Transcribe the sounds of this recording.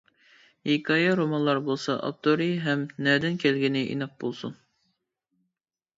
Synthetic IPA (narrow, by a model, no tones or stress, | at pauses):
jekʰɑjɑɾomɑnlˠɑɾbolˠsɑʔɑ̰p̚t̪ʰoɾiɦɛmnɛd̪ɪnkʲʰelɡʲinɪʔḭnɑp̚bolˠsun